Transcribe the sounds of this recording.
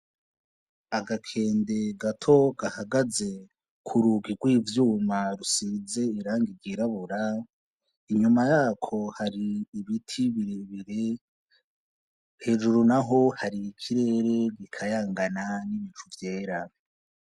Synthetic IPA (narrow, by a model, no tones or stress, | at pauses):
aɡakʰe̞ːnde̞ɡatʰo̞ɡ̥ahaɡaze̞ | kʰuɾuɡiɡwiːvjuːmaɾusize̞iɾaːŋɡiɾɡiɾaβuɾa | iɲumajaːkʰo̞haɾiːβitʰiβiɾeβiɾe | he̞ːʒuɾunaɦo̞haɾikʰiɾe̞ːɾe̞ɡikʰajaːŋɡananiβit͡ʃuvje̞ːɾa